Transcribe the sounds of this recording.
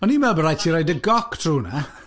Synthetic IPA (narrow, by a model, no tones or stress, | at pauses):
ɔnimɛlˠbəɾajtʰiɾɔjdəɡɔktʰr̥uːna